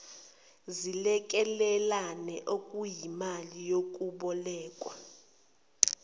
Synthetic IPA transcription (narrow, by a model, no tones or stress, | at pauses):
zilɛk̬ʼɛlɛlanɛʔokʼujimalijok̬ʼuɓɔlɛːkʼwa